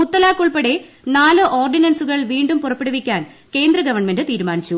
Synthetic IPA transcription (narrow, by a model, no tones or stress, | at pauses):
mut̪ːɐlaːkːuɭpɐɽe | naːlɨʔo̞ːrɖinɐnsuɣɐɭʋiːɳɖumpurɐpːiɽɐʋikʲːaːn | ke̞ːnd̪rɐɡɐʋɐrɳmendɨt̪iːɾumaːnit͡ɕːu